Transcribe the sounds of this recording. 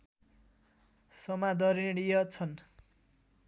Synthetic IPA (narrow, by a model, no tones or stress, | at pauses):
sʌmad̪ʌɾiɽijʌt͡sʰʌn